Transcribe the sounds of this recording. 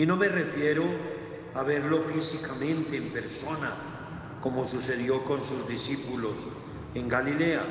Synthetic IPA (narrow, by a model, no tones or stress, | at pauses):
inõ̞me̞re̞fjeɾo | aβ̞e̞ɾlo̞fisikamẽ̞nt̪eːmpe̞ɾso̞na | ko̞mo̞suse̞ð̞jo̞ko̞nsuzðisipulo̞s | e̞ŋɡalilea̰